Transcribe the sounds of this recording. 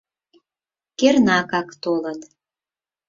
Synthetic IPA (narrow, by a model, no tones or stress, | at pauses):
kernɑkɑkt̪olət̪